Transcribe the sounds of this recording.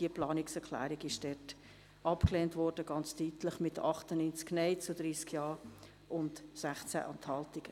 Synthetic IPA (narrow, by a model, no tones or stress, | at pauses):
d̥iəplɑːnɪksɛɾkʰlæ̰ːɾiɡɪʃd̥ɛt | ʔɑpkleːntvɔɾd̥əɡ̥ɑnt͡styːtləχmɪtɑχtənynt͡sknɛɪt͡sud̥ɾiːskjɑːɾ | ʔʊndsæχt͡sæ̰ʔɑnthɑltɪɡ̥ə